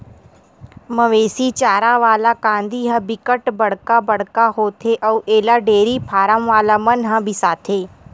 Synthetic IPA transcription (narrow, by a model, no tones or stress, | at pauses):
mɐʋeːsit͡ʃaːɾaʋaːlakãːnd̪ʱiɦə̃bɪkəʈbɐɽkabɐɽ̤kaɦoːt̪ʰeʔɐːʔeːlaɖeːɾipʰaːɾəmʋaːlamɐnɦãbʱɪsaːt̪ʰeː